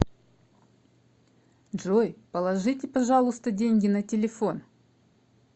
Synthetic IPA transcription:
ʐojpəlˠɐʐɨtʲɪpɐʐɑlˠʊst̪ədʲenʲɡʲɪnɐtʲɪlʲɪfo̞n

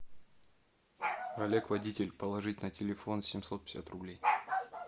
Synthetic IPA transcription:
ɐlʲekvɐdʲitʲɪlʲpəlˠɐʐɨtʲnətʲɪlʲɪfo̞nsʲɪmʲso̞t̪̚pʲɪ̥sʲa̰t̪rʊblʲej

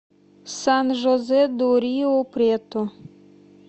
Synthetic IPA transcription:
sanʒɔzɛd̪oɾiopɾet̪o

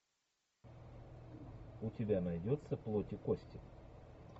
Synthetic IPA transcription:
ʊtʲɪbʲanɐjdʲot̪səplˠotʲɪkosʲtʲɪ

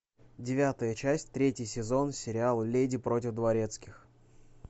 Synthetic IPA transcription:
dʲɪvʲat̪əjət͡ɕæsʲtʲt̪ɾʲetʲjɪsʲɪzo̞nsʲɪɾʲɪalˠlʲedʲɪpɾo̞tʲɪfd̪vɐɾʲe̞t̪skʲɪx

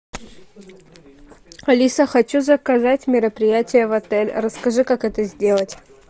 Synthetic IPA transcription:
ɐlʲisəxɐt͡ɕuzəkɐzatʲmʲɪɾəpɾʲɪjætʲɪjəvɐt̪ɛlʲrəskɐʐɨkakɛt̪əzʲdʲe̞lˠətʲ

